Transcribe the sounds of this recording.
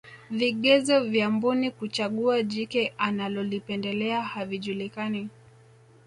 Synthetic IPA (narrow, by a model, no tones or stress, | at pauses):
viɠɛzɔvjambunikut͡ʃaɠuaʄikɛʔanalɔlipɛndɛlɛahaviʄulikani